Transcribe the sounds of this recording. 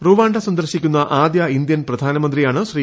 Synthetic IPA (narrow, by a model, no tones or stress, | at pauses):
ruʋaːɳɖɐsɐnd̪ɐɾɕikʲːunːɐʔaːd̪jaind̪jɐnprɐd̪ʱaːnɐmɐnd̪ɾijaːɳɨɕriː